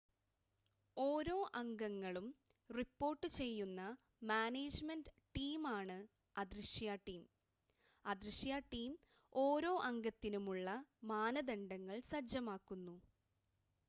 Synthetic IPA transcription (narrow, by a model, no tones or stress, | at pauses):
o̞ːɾo̞ːʔɐŋɡɐŋːɐɭum | ripːo̞ːrʈːɨt͡ɕe̞jːunːɐ | maːneːd͡ʑmendɨ | ʈiːmaːɳɨ | ɐd̪riʂjaːʈːiːm | ɐd̪riʂjaːʈːiːm | o̞ːɾo̞ːʔɐŋɡɐt̪ːinumuɭːɐmaːnɐd̪ɐɳɖɐŋːɐɭsɐd͡ʑɐmaːkːunːu